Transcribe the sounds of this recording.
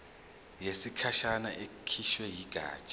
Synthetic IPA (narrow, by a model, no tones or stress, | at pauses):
jesikʰaʃanaʔekʰiʃwɛjiɡ̥ʱa̰ːt͡ʃʼ